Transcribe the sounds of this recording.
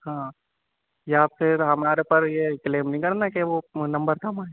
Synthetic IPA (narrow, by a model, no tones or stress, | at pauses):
hãː | jaafɪɾɦɐmaːɾepɐɾjeːkleːmnɐɦĩkɐɾnakeʋonɐ̃mbəɾt̪ʰamaːe